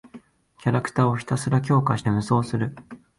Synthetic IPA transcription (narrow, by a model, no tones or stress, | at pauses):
kʲaɾakɯ̟̥t̪aːo̞çi̥t̪asɨɾak̬ʲo̞ːkaɕi̥t̪e̞mɯ̟so̞ːsɨɾɯ̟